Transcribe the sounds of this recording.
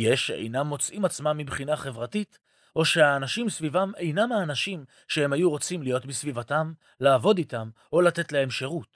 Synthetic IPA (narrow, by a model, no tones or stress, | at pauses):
jeʃeʔḛjnamːo̞t͡sʔimat͡smamːibχinaχe̞vʁatit | ʔo̞ʃeaːnaʃimsvivame̞jnamaːnaʃim | ʃe̞he̞mhajuʁo̞t͡simlijo̞tmisvivatam | laːvo̞ditam | o̞late̞tleemʃeʁut